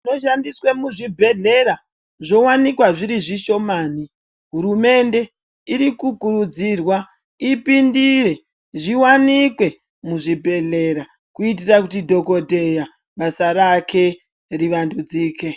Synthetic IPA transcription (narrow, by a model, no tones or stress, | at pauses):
ino̞ʃandiswemuʐibʱe̞ɮe̞ɾa | ʐo̞wanikwaʐiɾiʐiʃo̞maːni | ɦuɾume̞nde̞ | iɾikukurud͡zirwa | ipindire̞ | ʐiwanikwe̞ | muʐibʱe̞ɮe̞ɾa | kuit̬irakutidʱo̞ko̞dʱe̞ja | ɓasaɾakʰe̞ | riʋandud͡ziːke̞